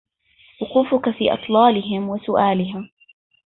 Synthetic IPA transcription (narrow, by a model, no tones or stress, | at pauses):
wʊquːfʊkafiːʔɑ̰t̪ˤlɑːlɪɦɪmwɪsʊʔaːlɪɦaː